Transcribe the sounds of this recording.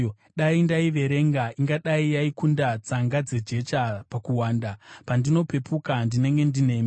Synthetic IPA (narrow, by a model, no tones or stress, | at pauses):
ɗaindaiʋe̞ɾe̞ŋɡaiŋɡaɗaijaikundat͡saŋɡad͡ze̞d͡ʒe̞t͡ʃapakuwaːndapandino̞pe̞pukandine̞ŋɡe̞ndine̞ːmi